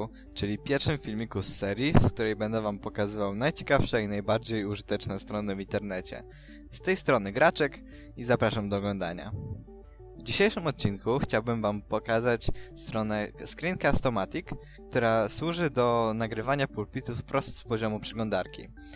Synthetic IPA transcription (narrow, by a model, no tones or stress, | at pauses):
t͡ʂɘlʲipʲjɛɾfʂɘmfʲilmʲikusɛɾʲjifkt̪uɾɛjbɛnd̪ɛvampɔkazɘvawnajt͡ɕe̥kafʂɛinajbaɾd͡ʑejuʐɘt̪ɛt͡ʂnɛst̪ɾɔnɘvʲint̪ɛɾnɛt͡ɕɛ̰ | st̪ɛjst̪ɾɔnɘɡɾat͡ʂɛk | izapɾaʂamd̪ɔːɡlɔnd̪a̰ɲa̰ | vd͡ʑiɕejʂɘmɔt̪̚t͡ɕːinkuxt͡ɕawbɘmvampɔkazat͡ɕst̪ɾɔnɛskɾʲiŋkaːst̪ɔmat̪ʲikː | t̪uɾaswuʐɘd̪ɔnaɡɾɘvaɲapulpʲit̪ufpɾɔst̪spɔʑɔmupʂɘɡlɔnd̪aɾkʲḭ